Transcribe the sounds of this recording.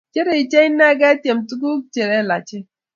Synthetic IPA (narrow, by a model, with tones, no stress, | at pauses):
t͡ʃe˦ɾe˨i˨t͡ʃɛ˦i˦nːa˦ɡa˦tje˨mtu˦ku˦k̚t͡ʃe˨ɾɛ˦˨la̰˨t͡ʃɪ˦